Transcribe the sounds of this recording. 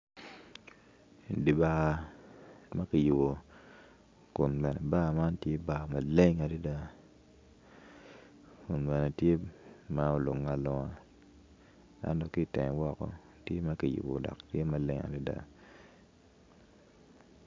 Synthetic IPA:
di˨ba˨a˨ | ma˦ki˨ju˨bo˨ | kʊ˨nbɛ˨nɛ̰˨ba˦˨ma˦ntje˦ba˦˨ma˨le˦ŋa˨di˦da˦ | kʊ˨nbɛ˨nɛ˨tje˦ma˦o˦lo˨ŋːa˨lɔ˨ŋa˦ | a̰˦ndɔ˦kɪ˦tɛ˨ŋ˨wɔ˦kɔ̰˦ | tje˦ma˦ki˨jṵ˨bo̰˨dɔ̰˨ktje˦ma˨le˦ŋa̰˨di˦da̰˨

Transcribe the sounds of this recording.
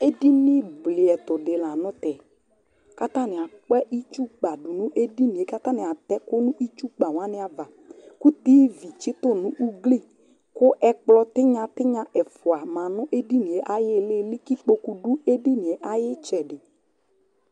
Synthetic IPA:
e˦di˦nɪ˦blɪ˨ɛ˨t̪ʊ˨dɪ˨la˨nʊ̃˦t̪ɛ˨ | ka˦t̪a˦˨nɪ˨a˨k͡pɛ˦ʔi˦t͡ʃu˦k͡pa˨dʊ˨nʊ̃˦ʔe˦di˦nĩ˨e˨ka˦t̪a˦nɪ˨a˨t̪ɛ˦kʊ˦nʊ̃˦ʔi˦t͡ʃu˦k͡pa˨wã˦nɪ˦a˨va˨ | ku˦t̪iː˦vi˨t͡ʃɪ˦t̪ʊ˦˨nʊ̃˦ʔu˦ɡle˦˨ | kʊ˦ʔɛ˦k͡plɔ˧t̪ɪ˦ɲã˦t̪ɪ˦ɲã˦ʔɛ˨fʊ˨a˨mã˨nʊ̃˦ʔe˦di˦nĩ˨ɛ˨ʔa˦jɪ˦lɪ˦lɪ˦ki˦k͡po˦ku˦du˦e˦di˦nĩ˨ɛ˨ʔa˨jɪ˦t͡ʃɛ˨dɪ˨

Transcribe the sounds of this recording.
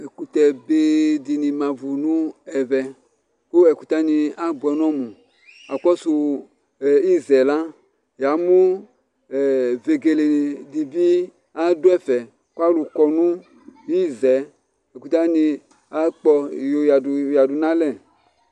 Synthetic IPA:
ɛ˨ku˨tɛ˧be˦di˧nĩ˨mã˨vu˨nũ˦ɛ˨vɛ˨ | ko˦ɛ˨ku˨t̪a˦ni˧a˦bu˨ɛ˨nɔ̃˦mũ˨ | a˨k͡pɔ˦su˧˨ | i˦zɛ˨la˦ | ja˨˦mũ˦˨ | ve˨ɡe˨le˨ni˨di˨bi˦ | a˦du˦ɛ˦fɛ˨ | ka˦lu˨kɔ˧nũ˦ | ji˦zɛ˨˦ | ɛ˨ku˨t̪a˦ni˧ | a˦k͡pɔ˧˨jo˨ja˨du˨ja˨du˨nã˦lɛ˦˨

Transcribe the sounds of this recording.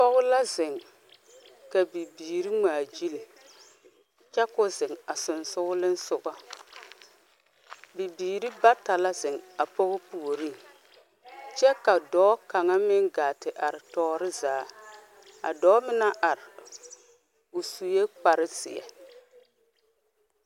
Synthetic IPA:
pɔ˦ɣʊ˦la˦zɪ˨ŋ | ka˨bi˨biː˨ɾi˦ŋ͡maː˨d͡ʒi˦li˨ | t͡ʃɛ˦kʊ˦zɪ˨ŋa˨sʊ˨nsʊ˦ɡʊ˦lɪ˦n˦sʊ˦ʔa˦ | bi˨biː˨ɾi˦ba˦ta˨la˦zɪ˨ŋa˨pɔ˦ɣʊ˦pu˨o˨ɾi˦ | t͡ʃɛ˦ka˨dɔː˨˦ka˨ŋa˦mɪ˦ŋɡa˨tɪ˨ʔa˨ɾɪ˨tɔː˦ɾɪ˦zaː˨˦ | a̰˨dɔː˦mɪ˦na˦ʔa˨ɾɪ˨ | ʊ˨su˨je˦k͡pa˨ɾɪ˦sɪ̰˨a̰˨

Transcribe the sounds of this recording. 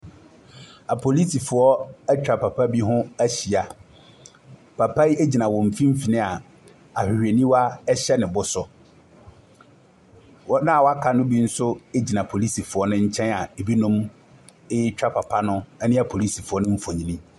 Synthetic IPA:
a˨pʰo˨li˦si˨fʊ˨ɔ˦æ˦t͡ɕᶣa˨pʰa˨pʰa˦bi˦ɦʊ̃˦æ˦ɕi˨a˨ | pʰa˨pʰa˦i˦e˦d͡ʑi˨nã˨wɔ̃˨m̩˨fĩ˦m̩˦fi˨nɪ̃˦a˨ | a˨hᶣɪ˨hᶣe˨nĩ˦wa˦ɛ˦ɕɛ˦nɪ̃˨bʊ˦sʊ˦ | nã˦a˨wɔ˦a˦kʰa˨nʊ̃˦bi˦n̩˦sʊ˦e˦d͡ʑi˨nã˨pʰo˨li˦si˨fʊ˨ɔ˦nʊ̃˦ɲ̩˦t͡ɕʰɛ̃˦na˨e˨bi˦nʊ̃˦m | ɪ˦t͡ɕᶣa˦pʰa˨pʰa˦nʊ̃˦ɛ˦nɪ̃˦a˨pʰo˨li˦si˨fʊ˨ɔ˦nʊ̃˦m̩˦fõ˨ɲĩ˨nĩ˦

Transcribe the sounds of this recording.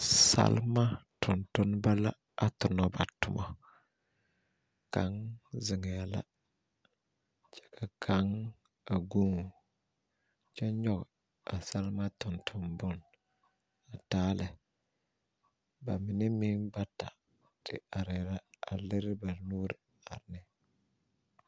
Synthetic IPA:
sa̰˦lma˦tʰʊ˨ntʊ˦nba˦la˦ | a˨tʊ˨nɔ˨ba˨tʊ˦mʔɔ˦ | ka̰˨˦ŋzɪ˨ŋɛ˨a˨la̰˦ | t͡ʃɛ̥˨ka˨kʰa˦ŋ | a˨ɡu˦ŋu˨ | t͡ʃɛ˦ɲɔ˦ɡɛ˨ | a˨sa˦lma˦tʊ˨ntʰʊ˨mbʊ˦˨n | a˨taː˦lɛ˨ | ba˨mɪ˨ni˦mi˦nba˦ta̰˨ | tɪ̰˨a˨ɾɛ˨ɾa˦a̰˨lɪ˦ɾba˨nu˦ɾ | a˨ɾnɛ˦

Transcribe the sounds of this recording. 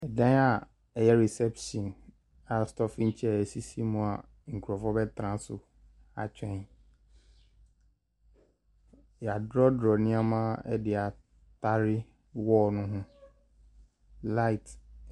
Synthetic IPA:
ɛ˨dã˦a˨ | ɛ˨jɛ˦ɾɛ˨sɛ˦pʃɔ̃˨n | a˨stɔ˦fɪ˦ɲ̩˦t͡ɕʰɛ˦˨ɛ˨si˦si˦mũ˦a˨ | ŋ̩˨kʰu˨ɾɔ˨fɔ˦bɛ˦tʰɾã˦sʊ˨ | a̰˨t͡ɕᶣɛ̃˦ | ja˨dɾɔ˦dɾɔ˨nɪ̃˦a˦mã˦ɛ̰˦dɪ˨a˨ | tʰa˦ɾɪ˦ | wɔː˦nʊ̃˦ɦʊ̃˦ | la˦ɪ˨t

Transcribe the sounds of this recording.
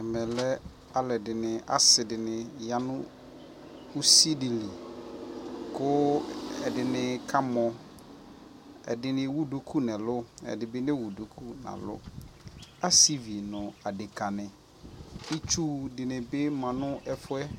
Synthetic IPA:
ɛ˨mɛ̃˨lɛ˦ | a˨lɛ˨dɪ˨nɪ̃˨ʔa̰˦sɪ˨dɪ˨nɪ̃˨ja˨nʊ̃˦ | u˦si˦dɪ˨li˨ | kʊ˦ɛ˨dɪ˨nɪ̃˨kʰa˦mɔ̃˨ | ɛ̰˨dɪ˨nɪ̃˨wu˦do˨kʰu˦nɛ̃˨lʊ˦ɛ̰˨dɪ˨bɪ˦nɪ̃˦wu˨do˨kʰu˦nã̰˨lʊ̰˦ | a˦si˦vi˨nʊ̃˨a˨dɪ˨kʰa˨nɪ̃˨ | i˦t͡ʃʰu˦dɪ˨nɪ̃˨bɪ˦mã˨nʊ̃˦ɛ˦fʊ˦ɛ˦

